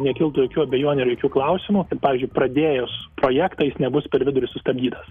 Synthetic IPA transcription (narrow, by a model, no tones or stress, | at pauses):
nʲɛkʲɪlˠt̪ʊjoːkʲuːɐbʲɛjoːnʲʊɪɾjoːkʲuːklˠɐʊsʲɪmukɐtpɑːʋʲiːzʲd͡ʒʊɪpɾɐd̪ʲeːjospɾoːjæːkt̪ɐɪsnʲɛbʊspʲɛɾʋʲɪd̪ʊɾʲɪsʊst̪ɐb̚ʲdʲiːt̪ɐs